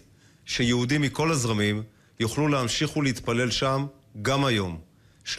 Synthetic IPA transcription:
ʃejeud̪imːiko̞lazʁamim | juχlulehamʃiχuleit̪pale̞lʃam | ɡamajo̞m | ʃ

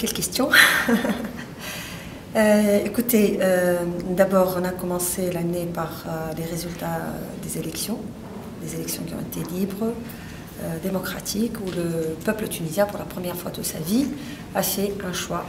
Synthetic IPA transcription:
kʲɛlkʲɛst̪jɔ̃ | øekut̪eød̪abɔʁɔ̃nakɔmɑ̃selanepaʁøleʁezylt̪a̰d̪ezelɛksjɔ̃ | d̪ezelɛksjɔ̃kʲiɔ̰̃et̪elibʁə | ød̪emɔkχat̪ʰikuləpœplət̪ynizjɛ̃puʁlapχəmjɛʁfwat̪ut̪sa̰vi | afɛɛ̃ʃwa

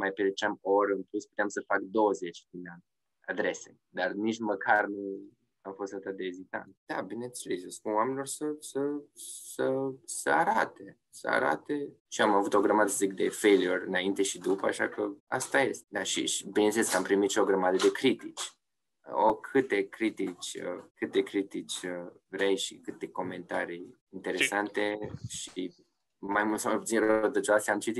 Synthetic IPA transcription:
majpeɾet͡ʃamo̞ɾəɨnplusput̪eamsəfakd̪o̞wəze̞t͡ʃʲd̪inan | a̰d̪ɾe̞se̞̰ | d̪arniʃməkʰarnu | amfo̞st̪at̪at̪̚d̪eːzit̪a̰nt̪d̪̥abine̞nselesəspunwamenilo̞rsəsəsəsəaɾat̪e̞ | sə̰a̰ɾa̰t̪e̞ | ʃiamavut̪o̞ɡɾəmad̪əsəzik̚d̪e̞fejliorɨnaint̪e̞ʃid̪upəaʃa̰kʰəa̰st̪aje̞st̪ed̪aʃḭbinnseleskəampɾimit̪ʃio̞ɡɾəmad̪əd̪e̞kɾit̪it͡ʃʲ | o̰kʰɨt̪e̞kɾit̪it͡ʃʲə̰kɨt̪e̞kɾit̪it͡ʃʲəvɾejʃikɨt̪e̞ko̞me̞nt̪aɾi | int̪e̞ɾe̞sant̪e̞ʃi | majmult̪səmajput̪inrət̪ət͡ʃoast̪ʲamt͡ʃit̪it̪

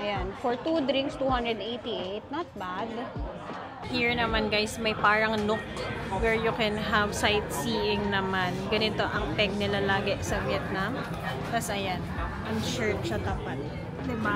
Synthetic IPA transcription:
ʔɐjanfɔɹt̪ud̪ɾĩŋkst̪uhɐnd̪ɹɛd̪ejt̪iʔejt̪̚nɐt̪̚bad̪ | hiɹnɐmanɡajsmɐjpaːɹɐŋnʊk̚t̪wɛɹjʊkɛnɦɐvsajt̪̚siːʔɪŋnɐmanɡɐnɪt̪o̞ʔɐŋpɛɡ̚nɪlalaːɡɛʔsɐvjɛt̪̚nam | t̪ɐsʔɐjanʔɐŋʃɛɹt̪ʃɐt̪ɐpat̪̚ | d̪ɪma

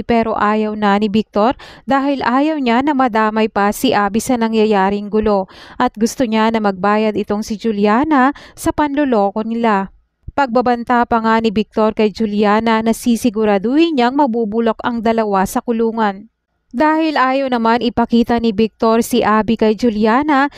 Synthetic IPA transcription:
pɛːɾo̞̰ʔaːjɐwnɐnɪbɪk̚t̪o̞ɾd̪aːhɪlʔaːjɐwɲanɐmɐd̪aːmɐjpɐsɪʔaːbisɐnɐŋjɐjaːɾɪŋɡʊlo̞ʔɐt̪̚ɡʊst̪oɲanɐmɐɡ̚baːjɐd̪ɪt̪o̞ŋsɪd͡ʒʊljaːnɐsɐpɐnlolo̞ːʔo̞nɪla | pɐɡ̚bɐbɐnt̪apɐŋanɪbɪk̚t̪o̞ɾkɐjd͡ʒʊljaːnɐnɐsisɪɡʊɾaːd̪ʊhiɲaŋmɐbuːbʊlo̞kɐŋd̪ɐlɐwasɐkʊluːŋɐn | d̪aːhɪlʔaːjɐwnɐmanɪpɐkiːt̪ɐnɪbɪk̚t̪o̞ɾsiʔaːbikɐjd͡ʒʊljaːnɐ

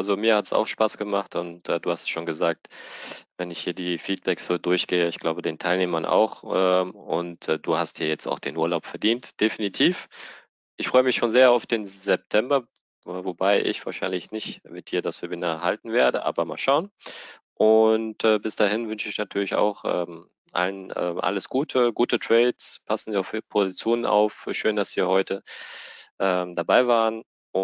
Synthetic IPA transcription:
alzomiːɐhatsa̰ʊxʃpaːsɡ̥əmaχtʊntɛːduːhastsʃoːnɡəzaːk̚tvɛnɪçhiːɐdiːfiːt̚b̥ɛksz̥oːdʊɐçɡ̥eːəɪçɡ̥laʊbədeːntʰaɪlneːmɐnʔa̰ʊxɛʊntːd̥uːhastd̥iːɐjɛt͡sta̰ʊxd̥eːnʔuːɐlaʊpfɛɐdiːntd̥efinitʰiːf | ʔɪçfʁ̥ɔʏəmɪçʃoːnzeːɐaʊfd̥eːnzɛp̚tʰɛmbɐ | vobaɪʔɪ̰çv̥aːɐʃaɪnlɪçnɪçtmɪt̚d̥iːɐdasfiɐbɪnɐɦaltn̩veːɐdəʔa̰ːbɐma̰ːlʃaʊn | ʔʊntɛːbɪsd̥aːɦɪnvʏnʃɪɪçnatʰyːɐlɪça̰ʊxʔɛ̰ːm | ʔa̰lənʔɛ̰ːmʔa̰ləsɡ̥uːtʰəɡuːtətʁ̥ɛːtspʰasn̩ziaʊfpʰozit͡sjoːnəna̰ʊfʃøːndasv̥iːɐhɔʏtə | ʔɛːmdabaɪvaːʁən | ʊ

